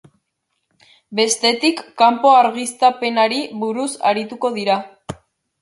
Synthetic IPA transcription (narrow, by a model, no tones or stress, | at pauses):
be̞st̪e̞t̪ikːampo̞aɾɣist̪ape̞naɾiβuɾusa̰ɾit̪uko̞ðiɾa